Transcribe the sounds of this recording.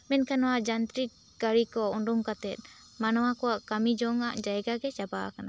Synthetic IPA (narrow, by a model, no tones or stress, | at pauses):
mɛnkʰanɔwaʔd͡ʒant̪ɾi | ɡaɾikɔɔɳɖumkat̪ɛt̪̚ˀ | manɔwakɔwaʔkamid͡ʒɔŋaʔd͡ʒaɛɡaɡɛt͡ʃabakana